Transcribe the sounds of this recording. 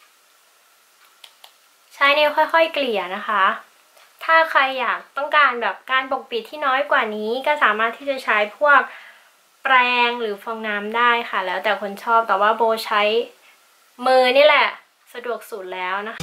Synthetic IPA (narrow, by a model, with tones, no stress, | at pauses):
t͡ɕʰa˦˥jniː˥˩xɔ˥˩jxʰɔ˥˩jkli˨˩əna˦˥xʰa˦˥ | t̪ʰaː˥˩kʰɾa˧jːaː˨˩k̚t̪ɔ˥˩ŋkaː˧nbɛː˨˩p̚kaː˧nbo˨˩k̚bi˨˩t̪ʰːiː˥˩nɔː˦˥jkwaː˨˩niː˦˥kɔː˥˩saː˨˩˦maː˥˩t̪ʰːiː˥˩t͡ɕa˨˩t͡ɕʰa˦˥jpʰu˥˩ək̚ | pɾɛː˧ŋɾɯː˩˦fɔ˧ŋnaː˦˥mdaː˥˩jxʰa˥˩lɛː˦˥wt̪ɛː˨˩kʰo˧nt͡ɕʰɔː˥˩p̚t̪ɛː˨˩waː˥˩boː˧t͡ɕʰa˦˥j | mɯː˧niː˥˩lɛ˨˩ | sa˧du˨˩ək̚suː˨˩t̪̚lɛː˦˥wna˦˥kʰ